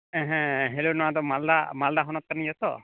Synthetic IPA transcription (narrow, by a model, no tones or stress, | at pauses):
ɛ̃ɦɛ̃ɦelonɔwad̪ɔmald̪amald̪aɦɔnɔt̪̚kanijɔt̪ɔ